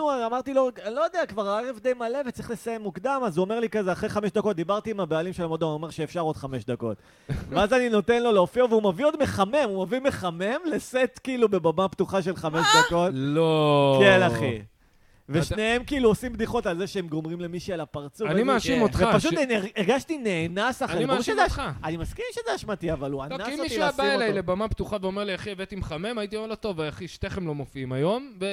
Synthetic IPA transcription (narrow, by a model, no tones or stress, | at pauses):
uamaʁt̪ilolo̞jod̪eakvaʁaaʁefd̪ejmale̞vett͡sʁi̥χle̞saje̞mːukd̪amazuome̞ʁlikazeaχʁejχameʃd̪ako̞t̚d̪ibaʁt̪iːmabealimʃelamod̪oome̞ʁʃeːfʃaʁod̪χameʃd̪ako̞t̪ | veazanino̞t̪enlo̞leofioveumavio̞d̪me̞χame̞mumavime̞χame̞mleset̪kiilube̞bamapt̪uχaʃelχameʃd̪ako̞t̪okelaχi | veʃnee̞mkiiluosimbd̪iχo̞talzeʃeemɡo̞mʁimle̞miʃialapaʁt͡suvnimaʃimot̪χveapaʃ̬ut̪neʁeʁɡaʃtineːnasaχeimuezeaʃaanimaskiʁʃezeaʃmat̪iavaluanaimiʃuaabaielajlebamapt̪uχaveomeʁliaχievet̪imχamemait̪iomeʁlot̪o̞vajaχiʃt̪eχemlomofiimajo̞mve